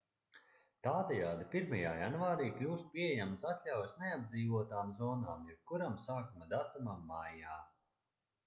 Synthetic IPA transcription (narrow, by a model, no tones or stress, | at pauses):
t̪aːd̪ɛjaːd̪ipiɾmajaːjanvaːɾiːklʲuːst̪̚pʲiɛejamsat̪ʲlʲawjsnead̪̚d̪zʲiːvuɔt̪aːmzɔːnaːmjɛp̚kuɾamsaːkumad̪at̪umamːajaː